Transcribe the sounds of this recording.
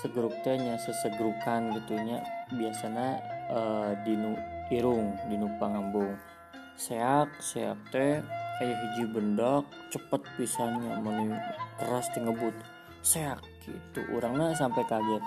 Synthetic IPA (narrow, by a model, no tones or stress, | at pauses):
səɡɾuk̚t̪ɛɲasəsəɡɾukanɡət̪ulɲabiasanaədinuiɾʊŋdinupaŋambʊŋ | seak̚seak̚t̪ɛajaɦud͡ʒibəndɔk̚t͡ʃəpət̪̚pisaɲamənujt̪əɾast̪əŋəbʊt̪̚ | seak̚ | it̪ṵʔṵɾaŋɲasampajkaɡa